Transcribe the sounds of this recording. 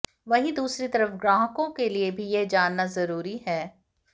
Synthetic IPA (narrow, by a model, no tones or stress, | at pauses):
ʋɐɦĩd̪uːsɾit̪ɐɾəfɡɾaːɦkõkeliebʱijed͡ʒaːnːazɐɾuːɾiɦɛː